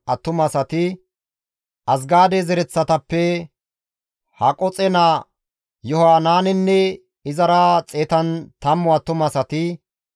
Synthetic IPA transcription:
ʔɐt̪ːʊmɐsɐt̪ɪ | ʔɐsɡaːd̪ɛzɛɾɛt͡sːɐt̪ɐpːɛ | hɐkʼɔt͡sʼɛnɐ | jɔhaːnaːnɛnːɛ | ɪzɐɾɐt͡sʼeːt̪ɐnt̪ɐmːʊɐt̪ːʊmɐsɐt̪ɪ

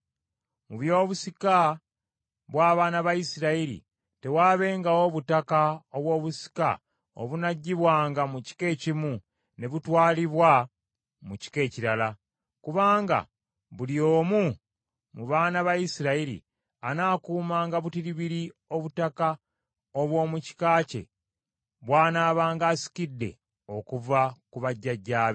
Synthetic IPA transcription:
muβjo̞ːβusika | βwaːβaːnaβajisiɾaiɾḭ | te̞waːβe̞ːŋɡao̞βutakaoβwo̞ːβusi̥ka̰ | o̰βunaɟːiβwaːŋɡamuci̥ke̞ːcimu | ne̞βutwaːliβwa | muci̥ke̞ːciɾala | kuβaːŋɡa̰ | βulio̞ːmu | muβaːnaβajisiɾaiɾḭ | anaːkuːmaːŋɡaβutiɾiβiɾio̞βutaka | oβwo̞ːmuci̥kaːce̞̰ | βwaːnaːβaːŋɡaːsi̥kidːe̞̰ | o̞kuvakuβaɟːaɟːaːβe

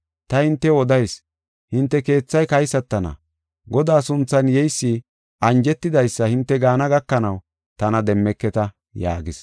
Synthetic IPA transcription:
t̪ɐhɪnt̪ːɛwɔd̪ɐjs | hɪnt̪ːɛke̞ːt͡sːɐjkɐjsɐt̪ːɐnɐ̰ | ɡɔd̪aːsʊnt͡sːɐnjɛjsːi | ʔɐnd͡ʒɛt̪ːɪd̪ɐjsːɐhɪnt̪ːɛɡaːnɐɡɐkːɐnɐw | t̪ɐnɐd̪ɛmːɛkːɛt̪ɐ | ja̰ːɡɪs

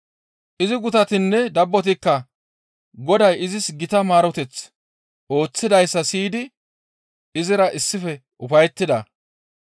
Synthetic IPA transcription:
ʔɪzɪɡʊt̪ɐt̪ɪnːɛd̪ɐbːɔt̪̬ɪkːɐ | ɡɔd̪ɐjɪzɪsɡɪt̪ɐmaːɾɔt̪ɛt͡s | o̞ːt͡sːɪd̪ɐjsːɐsiːd̪ɪ | ɪzɪɾɐʔɪsːɪfɛ | ʔʊfɐjɛt̪ːɪd̪ɐ

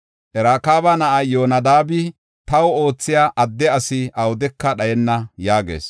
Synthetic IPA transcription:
ʔɛɾaːkaːbɐnɐʔɐjoːnɐd̪aːbɪ | t̪ɐwʊo̞ːt͡sːɪjaːʔɐd̪ːɛɐsɪɐwʊd̪ɛkːɐɗɐjɛnːɐjaːɡḛːs

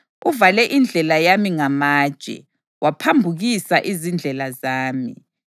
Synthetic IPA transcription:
uvalɛʔind͡ɮʱɛlajamiŋamaːd̥ʒ̥ʼʱɛ̰ | wʔapʰambʱuɣisaʔizind͡ɮʱɛlazaːmḭ

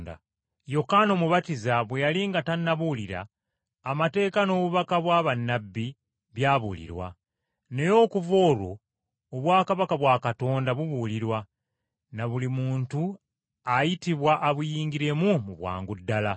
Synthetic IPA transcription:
da̰ | jo̞kano̞muβatizaβwejaliŋɡatanːaβuliɾa̰ː | mate̞ːkano̞ːβuβakaβwaːβanːabːi | βjaːβulḭɾwa̰ | ne̞jo̞ːkuvo̞ːɾwo̞̰ː | βwaːkaβakaβwaːkato̞ːndaβuβuliɾwa | naβulimuːntu | ajitiβwaʔːβujiːŋɡiɾe̞mumuβwa̰ːŋɡudːala

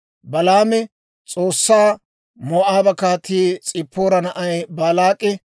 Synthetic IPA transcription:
bɐlaːmɛ | t͡sʼoːsːaː | mɔʔaːbɐkaːt̪ʰːiːt͡sʼɪpːoːɾɐnɐʔɐjbaːlaːkʼːɛ

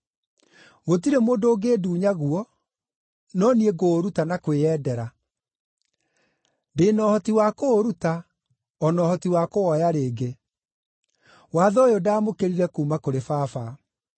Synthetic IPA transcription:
ɣotiɾemoːndoːɡeːduːɲaɣuɔ | nɔnieɣoːɾutanakweɛːdɛɾa | ndeːnɔːhɔtiwakoːɾuta | ɔnɔːhɔtiwakowɔjaɾeːɡe | waːðɔjodaːmokeɾiɾɛkuːmakoɾefaːfa

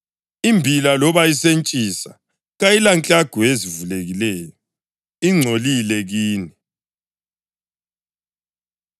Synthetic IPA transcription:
imbʱilalɔβaisent͡ʃʼisa̰ | ɣajilant͡ɬʼaɡ̥ʱɔezivuleɣilɛːjɔ | iŋ͡ǀʱolilɛɣiːni

